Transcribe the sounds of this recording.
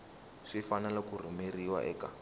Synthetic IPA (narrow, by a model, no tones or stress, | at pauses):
ʂifanalakur̤imeriwa̰ʔɛ̰ːka